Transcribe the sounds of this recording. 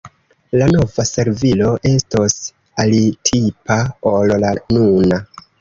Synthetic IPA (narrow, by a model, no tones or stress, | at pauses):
lano̞vase̞ɾvilo̞ʔe̞stos | alitʰipʰaollanuna